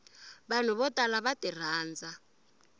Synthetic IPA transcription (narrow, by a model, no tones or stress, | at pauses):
βan̤uβɔtʼalaβatir̤aːnd͡za